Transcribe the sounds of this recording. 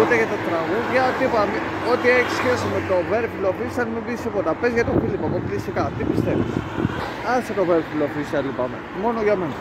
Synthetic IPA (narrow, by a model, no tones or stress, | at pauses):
ut̪eʝɐt̪ɐt̪ɾɐɣuðʝɐt̪ipɐme | o̞t̪ieçisçe̞sime̞t̪o̞ve̞ɾfilofisɐnmibisipot̪ɐpezʝɐt̪ofilipɐmoklisikɐt̪ipist̪e̞vḭs | ɐnset̪o̞veɾfilofisɐlipɐme̞̰ | mo̞no̞ʝɐme̞nɐ